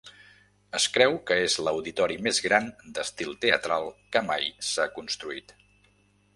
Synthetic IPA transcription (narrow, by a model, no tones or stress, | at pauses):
əskɾɛwkəezləwðit̪ɔɾimezɣɾand̪əst̪ilˠt̪eə̰t̪ɾalˠkəmajsakunst̪ɾuit̪